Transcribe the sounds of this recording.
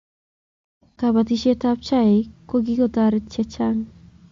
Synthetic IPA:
kabat̪iʃet̪ap̚t͡ɕʰaekoɡikot̪aɾet͡ɕʰːet͡ɕʰaŋ

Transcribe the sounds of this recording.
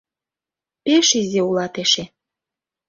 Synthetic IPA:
peʃizʲeulɑt̪eʃe

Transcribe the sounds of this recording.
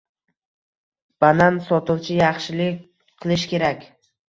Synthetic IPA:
b̥anansɒt̪ʰʊwt͡ʃʰɪjɑχʃɪlɪkʲ | qʰɨlˠɪʃkʲʰe̞ɾakʲ

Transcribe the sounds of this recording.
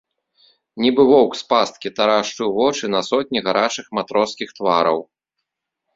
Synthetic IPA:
nʲibɨvɔwkspast̪̚kʲit̪aɾaʂt͡ʂɨwvɔt͡ʂɨnɐsɔt̪̚ʲnʲiɣaɾat͡ʂɨxmat̪ɾɔskʲixt̪vaɾɐ̰w

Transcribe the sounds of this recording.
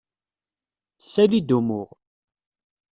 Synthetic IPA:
sːælid̪umʊʁ

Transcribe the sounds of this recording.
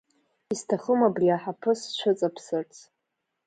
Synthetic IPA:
istʰaχəmabriaħapʰɨst͡ʃʷʰʊt͡sʼapʰsɨrt͡sʰ

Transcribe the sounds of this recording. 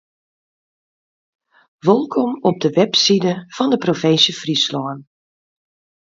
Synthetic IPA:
ʋolˠkʰɔmɔb̚dəʋɛpsidəfɔndəprofensəfrislɔən

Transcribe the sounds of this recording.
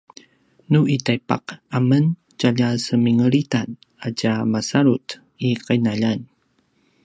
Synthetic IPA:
nuʔitajpa̰qamən | caʎasəmiŋəɾitan | aɟamasaɾut | iqajnaʎan

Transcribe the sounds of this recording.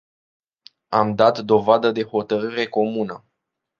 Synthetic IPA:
amd̪at̪d̪o̞vad̪əd̪e̞ho̞t̪əɾɨɾe̞ko̞munə

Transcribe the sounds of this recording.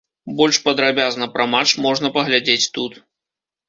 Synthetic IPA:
bɔlʲʂpɐd̪ɾabʲaznɐpɾɐmat͡ʂmɔʐn̪ɐpɐɣlʲad͡zʲet͡sʲt̪ut̪

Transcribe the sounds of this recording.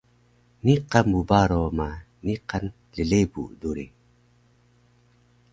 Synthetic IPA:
niqamubaɾoma | niqan | ɮəɮebṵduɾi

